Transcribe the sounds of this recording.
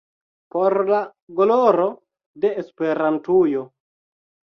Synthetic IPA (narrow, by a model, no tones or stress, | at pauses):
poɾlaɡoloɾo | deːspeɾantujo